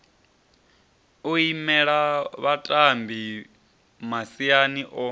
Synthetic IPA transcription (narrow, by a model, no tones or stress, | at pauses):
oimɛɺaβatʼambi | masianiʔɔ